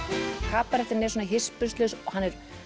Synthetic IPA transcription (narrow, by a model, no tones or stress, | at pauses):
haːpaɾɛht̪ɪɾnejs̬ɔnaɦɪspʏst̪lœsɔhanːɛɾ̥